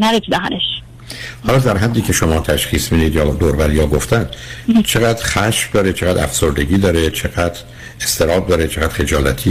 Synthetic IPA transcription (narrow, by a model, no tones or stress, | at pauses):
næɾesid̪æɦæ̰neʃ | hɒːlɒːd̪æɾɦæd̪ːiːcʲʰe̞ʃomɒːt̪ʰæʃxiːsmiːd̪iːd̪jɒːd̪oːɾbæɾjɒːɡoft̪ænt͡ʃʰe̞ɣæːd̪ɾxæʃfd̪ɒːɾet͡ʃʰeɣæːd̪æ̰fsoɾd̪e̞ɟiːd̪ɒːɾet͡ʃʰe̞ɡæd̪ɾ | est̪ʰe̞ɾɒːb̚d̪ɒːɾet͡ʃʰeɣæːd̪̥χe̞d͡ʒɒːlæt̪ʰiː